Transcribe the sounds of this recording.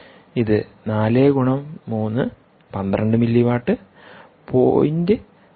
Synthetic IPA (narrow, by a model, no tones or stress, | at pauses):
iðɨnaːleːɡuɳɐmːuːnːɨ | pɐnd̪rɐɳɖɨmilːiʋaːʈːɨ | po̰ːjinde